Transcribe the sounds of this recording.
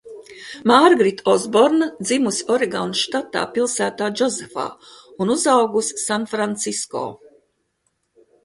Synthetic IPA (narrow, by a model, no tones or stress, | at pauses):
maːɾɡɾit̪ʰɔzbɔɾnd̪zimusɔɾɛɡanʃt̪at̪a̰ːpilˠsæːt̪aːd͡ʒɔzefa̰ːunuzawɡussanfɾant̪sisko̰ː